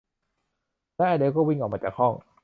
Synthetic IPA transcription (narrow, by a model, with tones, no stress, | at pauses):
lɛ˦˥ʔaː˧˩deː˧wkɔː˥˩wi˥˩ŋʔɔ˨˩k̚ma˧t͡ɕaː˨˩kʰhɔ˥˩ŋ